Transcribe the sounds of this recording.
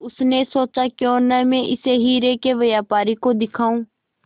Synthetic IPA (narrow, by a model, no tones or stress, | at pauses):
ʊsnesoːt͡ʃakjõːnəmẽʔɪseɦiːɾeːkeʋɐjaːpaːɾikod̪ɪkʰaːũː